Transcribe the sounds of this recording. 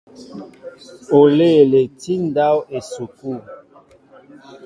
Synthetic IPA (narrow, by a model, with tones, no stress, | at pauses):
o˨le˦˨le˨ti˦nda˦we˨su˨ku˦˨